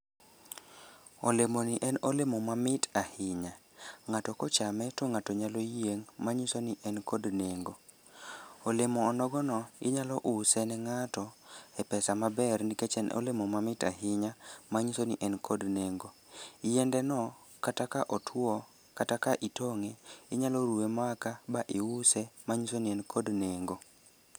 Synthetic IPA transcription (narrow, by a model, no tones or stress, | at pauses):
olemoniʔɛnolemomamɪtahɪɲa | ŋatɔkɔt͡ʃamɛtɔŋatɔɲalojeŋmaɲisoniʔɛnkodneŋɡo | olemɔːnɔɡɔnɔɪ̰ɲalɔʔusɛnɛŋatɔɛpɛsamabɛrniket͡ʃɛno̰lemomamɪta̰hɪɲamaɲisoniʔɛnkodneŋɡo | ijɛndɛnɔ | katakaʔɔtʰwɔ | katakaʔitoŋeɪɲalɔɾuemakabaʔɪʊsɛmaɲisoniɛnkʰodneŋɡo